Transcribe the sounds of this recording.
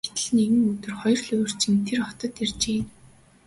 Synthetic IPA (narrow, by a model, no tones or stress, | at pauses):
et̪ɘ̆ɮ̆neɣɘ̆ŋɵt̪ɵ̆rχɔjrɮɵ̆ːr̥t͡ɕĭnt̪ʰerɔt̪ɞ̆t̪ert͡ɕeːn